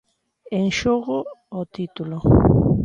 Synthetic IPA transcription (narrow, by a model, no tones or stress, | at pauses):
eŋʃoɣoːt̪it̪ulo